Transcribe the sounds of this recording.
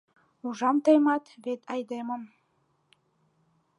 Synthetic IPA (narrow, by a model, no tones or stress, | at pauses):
uʒɑmt̪emɑt̪βet̪ʰɑjd̪emə̆m